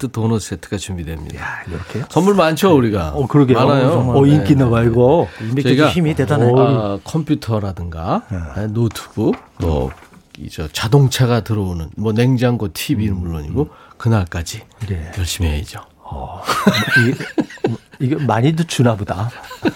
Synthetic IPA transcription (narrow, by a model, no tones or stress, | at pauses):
tʰɯtonʌs͈etʰɯ̥ɡat͡ɕumbidwe̞mɲḭdaiʌkʰet͡ɕʌmːuɭmant͡ɕʰouɾiɡaʌkɯɾʌɡeanajoʌink͈inaɡaiɭɡoiet͡ɕʌiɡaimitedanakʰʌmpʰjutʰʌɾadɯŋɡa̰enotʰɯ̥b̥uto̰ | ḭd͡ʑʌ̰t͡ɕadoŋt͡ɕʰaɡatɯɾʌonɯnmwʌne̞ŋd͡ʑaŋɡwʌtʰibinɯnmuɭːoɲiɡokɯnaɭk͈ad͡ʑinejʌɭɕ͈imiɦeid͡ʑo | ʌ | i | iɡʌmaɲidot͡ɕunaboda